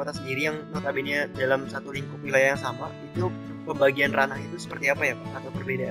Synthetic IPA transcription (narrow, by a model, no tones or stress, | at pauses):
ot̪asəndiɾijaŋnot̪abiɲadalamsat̪uliŋkʊknilajjaŋsamait̪u | pəbaɡianranahit̪usə̥pərt̪iapajaat̪abərbeda